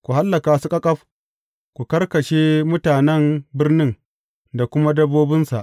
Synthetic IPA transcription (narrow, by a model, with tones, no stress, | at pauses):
kʷu˨ɦa˦lːɐ˨kaː˨su˦kʼɐ˦kʼɐ˦ɸ | kʷu˨kɐ˦rkɐ˨ʃeː˦mʊ˦taː˨nɛ˦mbɪ˦rnɪ˦ŋ | da˨kʷʊ˦ma˦dɐ˦boː˦bɪ˦nsa̰˨ʔ